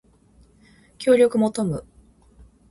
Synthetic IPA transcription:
kʲo̞ːɾʲo̞kɯ̟mo̞t̪o̞mɯ̟

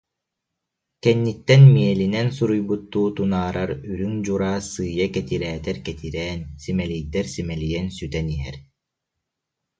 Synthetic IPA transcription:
kɛnːit̪ːɛnmiɛlinɛnsuɾujbut̪ːuːt̪unaːɾʔaɾyɾyŋd͡ʑuɾaːsɯːjakɛt̪iɾɛːt̪ɛɾkɛt̪iɾɛːnsimɛlijd̪ɛɾsimɛlijɛnsyt̪ɛniɦɛ̰ɾ

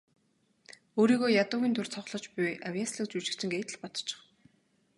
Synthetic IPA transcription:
oːɾiːɣoːjat̪ʊːɣʲiːnt̪ʰʊrt͡sʰɔχɮɞ̆t͡ɕpʊjʔawʲjasɮĭk̚t͡sujt͡ɕɪ̆kt͡ɕʰɪ̆ŋɡeːt̪ɘ̆ɮpɔt̪ɞ̥̆t͡ɕɪ̥̆χ

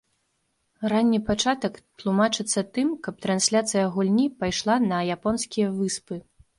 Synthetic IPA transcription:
ranʲːipat͡ʂat̪ɐkt̪lˠumat͡ʂɨt̪sːɐt̪ɨmkɐp̚t̪ɾansʲlʲat̪sɨjɐɣulʲnʲipajʂlˠanɐjapɔnsʲkʲijɐvɨspɨ

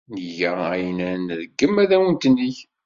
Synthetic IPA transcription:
nəʝææjnænðəɡːəmːæðæwənt̪ənːiç

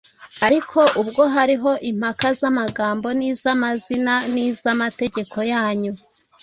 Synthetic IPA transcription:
aɾikʰo̞ʔubɡo̞ɦaɾiɦo̞ʔim̥hakazamaɡaːmbo̞niːzamazinaniːzamate̞ɟe̞kʰo̞jaːɲu

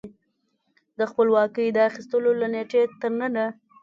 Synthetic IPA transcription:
d̪əxpəlwɑkəjd̪əaxist̪əlolaneʈet̪əɾnəna

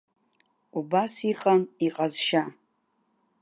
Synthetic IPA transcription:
ubasiqʼaniqʼazʃa

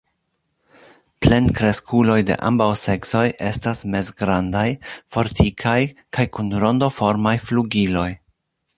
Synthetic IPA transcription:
ple̞nkɾe̞skʰulo̞jde̞̰ʔa̰mbawse̞kso̞jʔe̞stasme̞zɡɾandajfo̞ɾtʰikʰajkʰajkunɾo̞ndofo̞ɾmajfluɡilo̞j

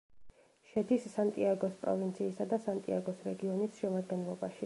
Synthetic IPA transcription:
ʃɛd̪isːant̪ʼiaɡɔspʼɾɔ̰vint̪sʰiːsad̪asant̪ʼḭaɡɔsɾɛɡiɔnisʃɛmad̪ɡɛnlˠɔbaʃi

